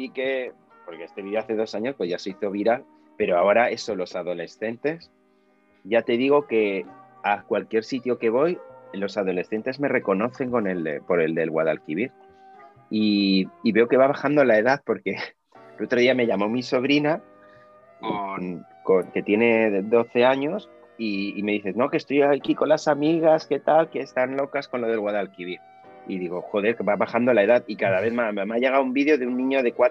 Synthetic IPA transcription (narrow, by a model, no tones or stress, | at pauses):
ike̞ | po̞ɾkeest̪e̞βiðeaθe̞ð̞o̞saɲo̞spwozʝaseiθo̞β̞iɾal | pe̞ɾo̞ao̞ɾae̞so̞lo̞saðo̞le̞sθe̞nt̪e̞s | ʝat̪e̞ðiɣ̞o̞ke̞ | akwalkje̞ɾsit̪jo̞ke̞β̞o̞jlo̞sað̞o̞le̞sθe̞nt̪e̞zme̞re̞ko̞no̞θe̞ŋko̞ne̞lḛpo̞ɾe̞ld̪e̞lɣwaðalkiβiɾ | iːβe̞o̞ke̞βaβaxand̪o̞lae̞ðaθpo̞ɾke̞ | elo̞t̪ɾo̞ðiame̞ʝamo̞miso̞β̞ɾina | konko̞ŋke̞t̪je̞ne̞ðo̞θe̞aɲo̞s | iːme̞ðiθe̞zno̞ke̞st̪o̞jakiko̞nlasamiɣ̞aske̞t̪alke̞ːst̪anlo̞kasko̞nlo̞ð̞elɣwaðalkiβiɾ | iðiɣo̞xo̞ðe̞ɾkeβaβaxand̪o̞lae̞ðaðikaðaβ̞e̞ðmammaʝe̞ɣ̞awumbiðjo̞ðeunːĩɲoðe̞kwa